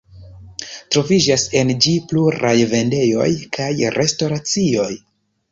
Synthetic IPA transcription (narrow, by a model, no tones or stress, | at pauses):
tɾo̞vid͡ʒase̞nd͡ʒipluɾajve̞nde̞jo̞̰jkʰajɾʔe̞sto̞ɾat͡sio̞j